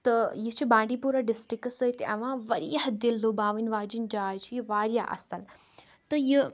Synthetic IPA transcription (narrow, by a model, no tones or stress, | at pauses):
t̪ɐjit͡ʃʰibãːɳɖipuɾaːɖɪsʈɾiksəit̪iɐʋãːʋɐɾḭɐɦd̪ilːubaːʋinʋaːd͡ʒind͡ʒaːjt͡ʃʰijiʋaːɾjaʔɐ̰sɐl | t̪ɨji